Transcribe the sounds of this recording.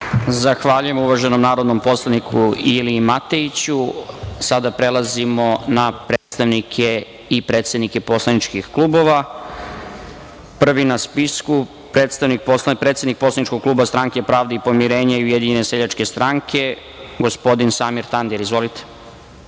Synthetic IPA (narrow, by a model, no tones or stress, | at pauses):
zaxʋaʎuje̞muʋaʒeno̞mnaːɾo̞d̪no̞mpo̞slˠanikʰuiliːmat̪e̞it͡ɕusad̪apɾe̞lˠazimo̞napɾe̞ːt̪st̪aʋnikʰe | ipɾet̪sed̪nike̞po̞slˠanit͡ʃkixklˠuːbo̞ʋa | pr̩ʋinaspisku | pɾeːt̪st̪aʋnik̚poslapɾet̪sed̪nik̚poslˠanit͡ʃkoɡ̚klˠuːbast̪ɾaŋkepɾaːʋd̪eipo̞miɾe̞ːɲaiujed̪iɲeneseʎat͡ʃke̞st̪ɾaŋkʰe̞ | ɡospo̞d̪insaːmiɾt̪and̪iɾizʋo̞lit̪e̥